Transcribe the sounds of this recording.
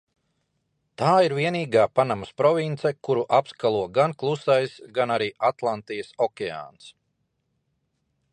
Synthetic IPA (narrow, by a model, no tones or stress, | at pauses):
t̪aːiɾviɛniːɡaːpanamaspɾɔvint̪sekuɾuʔapskalˠuɔɡanklˠusajsɡanaɾiːat̪lˠant̪ijəsɔkʲea̰ːns